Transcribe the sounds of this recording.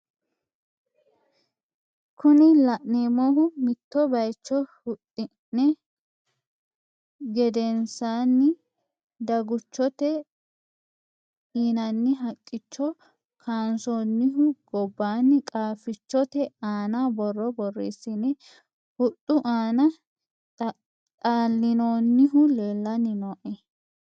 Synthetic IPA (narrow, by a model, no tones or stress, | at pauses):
kʰʊnɪlɐʔneːmoːɦʊmɪt̪ːɔbɐjt͡ʃːɔhʊtːɪnnɛ | ɡɛd̪ɛnsaːnːɪ | d̪ɐɡʊt͡ʃːɔt̪ɛ | iːnɐnːɪɦɐkʼːɪt͡ʃːɔ | kʰaːnsoːnːɪɦʊɡ̥ɔbːaːnːɪkʼaːfɪt͡ʃːɔt̪ɛaːnabɔrːɔbɔrːḭːsːɪnɛ | hʊtʼːʊʔaːnɐ | t̪ʼaːlːɪnoːnːɪɦʊleːlːɐnːɪnɔːʔɛ